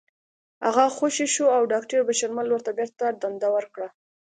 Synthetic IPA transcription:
haɣaxoʃeʃuawɖɑkʈəɾbaʃaɾmalwəɾt̪abeɾt̪aɖand̪awəɾkɽa

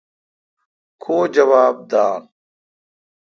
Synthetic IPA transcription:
kʰoːd͡ʑɐwaːb̚d̪aːn

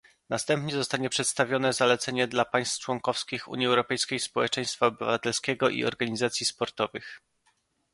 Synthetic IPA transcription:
nast̪ɛmpɲɛzɔst̪aɲɛpʂɛt̪st̪avʲjɔnɛzalɛt̪sɛɲɛd̪lapaj̃st̪ft͡ʂwɔŋkɔfskʲixṵɲiɛwɾɔpɛjskʲejspɔwɛt͡ʂɛj̃st̪faɔbɘvat̪ɛlskʲɛɡɔʔḭɔ̰ɾɡaɲizat̪sʲjispɔɾt̪ɔvɘx

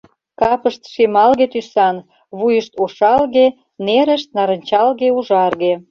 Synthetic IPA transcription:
kɑpəʃt̪ʃemɑlɣet̪ysɑn | βujəʃt̪oʃɑlɣe | neɾə̆ʃt̪̚nɑɾə̆nt͡ɕɑlɣeuʒɑrɣe

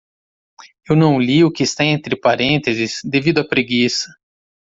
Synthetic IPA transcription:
ewnɐ̃w̃liʊkɪːst̪aẽnt̪ɾɪpaɾẽnt̪ezɪsd̪evid̪ʊɐpɾeɡisɐ̥

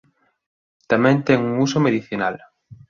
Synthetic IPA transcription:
t̪amɛ̃nt̪ɛŋuŋusomeðiθina̰l

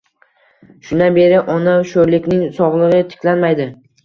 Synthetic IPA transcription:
ʃʊnabe̞ɾɪʔɒnaʃoɾlɪkʲnɪŋsɒʁlˠɨʁɨt̪ʰɪ̥kʲʰlanmajd̪ɪ

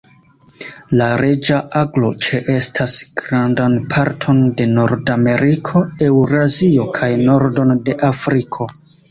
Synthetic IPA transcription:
laɾe̞d͡ʒaʔaɡlo̞t͡ʃe̞ʔe̞stʰasɡ̥ɾandanpʰaɾtʰo̞nde̞noɾdame̞ɾikʰo̞ewɾazio̞kʰajno̞ɾdo̞nde̞ʔafɾikʰo̞

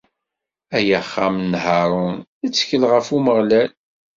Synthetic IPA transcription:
æjəχːamnhɑɾˤʊnæt͡sːçəlʁəfuməʁlæl

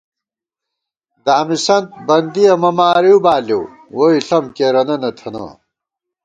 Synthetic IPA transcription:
d̪aːmisɐnt̪̚bɐnd̪ijɐmɐmaːɾiwbaːliw | woiɬɐmkeɾɐnɐnɐt̪ʰɐnɐ̰

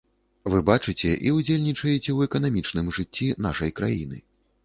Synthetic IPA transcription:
vɨbat͡ʂɨt͡sʲɛʔiud͡zʲelʲnʲit͡ʂɐjɛt͡sʲɛwɛkɐnamʲit͡ʂnɨmʐɨt͡sʲːinaʂɐjkɾa̰jḭnɨ̰

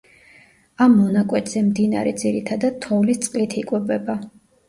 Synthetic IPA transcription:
amːɔnakʼwɛt̪ʰʼz̥ɛmd̪ina̰ɾɛ̰d̪ziɾit̪ʰad̪ad̪̥̚t̪ʰːɔvlist̪sʼqʼlit̪ʰikʼwɛbɛba

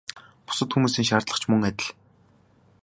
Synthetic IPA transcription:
pʊ̥sə̆t̪xumuːsiːŋʃaːrt̪ɮə̆χt͡ɕʰmɵŋæt̪ʲɪ̆ɮ

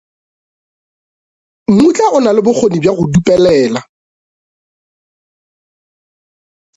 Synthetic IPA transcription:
mut͡ɬʼaʔʊnalɪbʊk͡xʰonibjaɣʊdupʼɛlɛːla

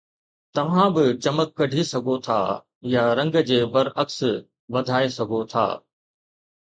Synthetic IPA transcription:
t̪ɐʋ̤ãbɪt͡ɕɐməkːɐɖʱisɐɡʱot̪ʰa̰ː | jaɾɐ̃ŋɡd͡ʑeːbɐɾɐks | ʋɐd̪ʱaːesɐɡʱot̪ʰa̰ː

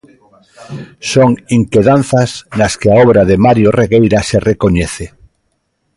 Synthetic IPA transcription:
soŋiŋkeðan̟θaznaskeaɔβɾaðemaɾjoreɣejɾaserekoɲeθe

